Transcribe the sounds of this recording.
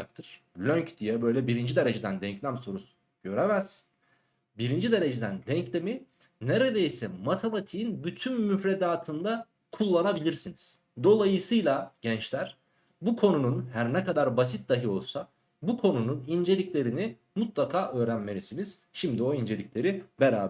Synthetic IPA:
ak̚t̪ʰɯɾ̥ | lʲøɲcd̪̥ijɛbø̞jlʲɛbiɾind͡ʒid̪e̞ɾe̞d͡ʒed̪ænd̪ɛɲclʲæmso̞ɾusu̥ | ɟ̥ø̞ɾemæz̥ | biɾind͡ʒid̪e̞ɾe̞d͡ʒed̪ænd̪ɛɲclʲe̞mi | neɾed̪e̞jsɛmat̪ʰemat̪ʰiinbyt̪ʰymːyfɾed̪aːt̪ʰɯnd̪a | kʰulˠːanabilʲiɾsiniz̥ | d̪o̞lˠajɯsɯjlˠaɟɛnt͡ʃlʲæɾ̥ | bukʰo̞nununhæɾnɛkad̪aɾbas̬it̪̚d̪aɦɯo̞lˠsa | bukʰo̞nununind͡ʒelʲiclʲe̞ɾini | mut̪lˠakʰaːʔø̞ːɾænme̞ɾisiniz̥ | ʃimd̪io̞ind͡ʒe̞lʲiclʲe̞ɾibeɾaːb

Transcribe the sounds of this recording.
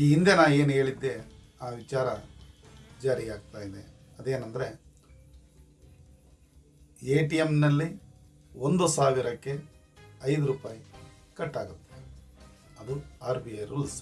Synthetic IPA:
iːind̪enaːeːnuɦe̞ːɭid̪ːe̞ | aːʋit͡ʃaːɾɐ | d͡ʒaːɾiaːɡ̚t̪aːjid̪e̞ | ɐd̪e̞ːnɐnd̪ɐɾe̞ | eːʈijemnɐlːi | ond̪usaːʋiɾɐkːe̞ | ɐjd̪uɾuːpaːji | kɐʈːaːɡut̪ːe | ɐd̪uaːɾbiɐjɾuls

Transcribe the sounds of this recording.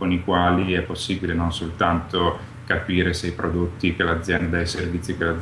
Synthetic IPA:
konikwaːliɛpːosːiːbilemonsolt̪ant̪o | kapiːɾesejpɾod̪ot̪ːikelad̪zːjɛnd̪ad̪ajservit̪sːikelad̪

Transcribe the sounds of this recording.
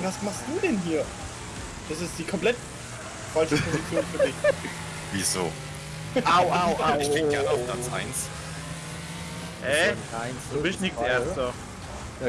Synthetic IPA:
vasmaχstd̥uːdɛnɦiːɐ | d̥asɪstd̥iːkʰɔmpl̥ɛt | falt͡ʃəpʰozit͡sjoːnfyɐdɪç | vizo̰ː | ʔaʊaʊaɪçɡ̥eːəɡɛɐnəaʊfpʰl̥at͡sʔa̰ɪns | hɛaɪnubɪtnɪkseːɐstə

